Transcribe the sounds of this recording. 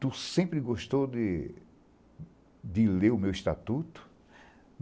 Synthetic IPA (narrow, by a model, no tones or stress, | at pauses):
t̪usẽpɾɪɡoʃt̪owd̪ɪ | d̪ɪleʊmewist̪a̰t̪ut̪ʊ̥